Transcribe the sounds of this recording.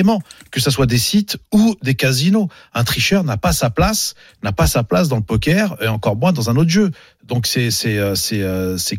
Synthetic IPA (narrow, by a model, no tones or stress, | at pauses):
emɑ̃kəsaswad̪esit̪ud̪ekazino | ɛ̃t̪χiʃœʁnapasaplas | napasaplas̬d̪ɑ̃ləpɔkʲɛʁeɑ̃kɔʁmwɛ̃d̪ɑ̃zɛ̃not̪ʒø | d̪ɔ̃ksɛsɛøsɛøsɛ